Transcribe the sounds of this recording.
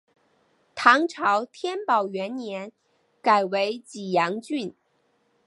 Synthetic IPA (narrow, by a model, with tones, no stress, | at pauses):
t̪ʰɑ˧˥ŋʈ͡ʂʰɑ˧˥ʊt̪ʰjɛ˥npɑ˨˩ʊɥɛ˧˥nnjɛ˧˥n | ka˨˩ɪwe˧˥ɪt͡ɕi˨˩jɑ˧˥ŋt͡ɕy˥˩n